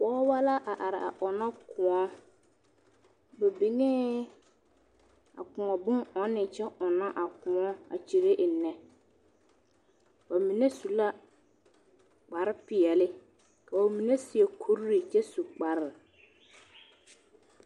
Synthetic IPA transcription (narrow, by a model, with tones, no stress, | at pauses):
k͡pɔː˦wa˦la˦ʔa˨ʔa˨ɾɪ˨a̰˨ʔɔ˨na˦kʰʊ˨ɔ˦ | ba˨bi˨ŋɛ˦ | a̰˨kʊ˨ŋɔ˨bʊ˦ŋɔ˨˦nɪ˨t͡ʃɛ˦ʔʊ˨na˦ʔa˨kʊ̃˨ɔ˦a̰˨t͡ʃi˨ɾe˦ʔɪ˨nːɛ˨ | ba˨mi˨ne˦su˨la˦ | k͡pa˨ɾɪ˦pɪ˨ɛ˨lɪ˦ | ka˨a˨mi˨ne˦sɪ˨e˨kʰu˦ɾɾi˨t͡ʃɛ˦su˨k͡pa˨ɾɪ˦˨